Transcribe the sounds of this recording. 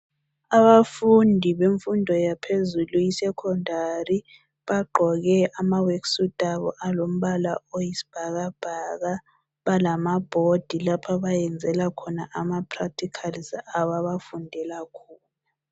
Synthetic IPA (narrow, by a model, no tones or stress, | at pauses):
aβafundʱiβeɱfundʱɔjapʰezulujisɛkʰɔndʱari | βaɡ͡ǃʱɔɣɛʔamaweksutʼaβɔ̰ʔalom̩ɓalaojisi̥b̥ʱaɣab̥ʱaɣa | βalamab̥ʱod̥ʱilapʰaβajɛnd͡zʱɛlakʰɔnaʔamapʰrak̚tʰikʰalzaβaβafundʱɛlakʰuːna